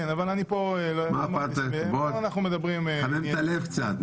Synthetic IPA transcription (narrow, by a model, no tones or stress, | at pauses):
enavalanipoelomamat̪eboanaχnumed̪abʁimavimt̪alevkt͡sa̰t̪